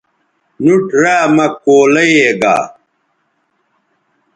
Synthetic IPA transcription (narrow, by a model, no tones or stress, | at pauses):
nuʈɾaːmɐkoːlɐjeːɡa̰ː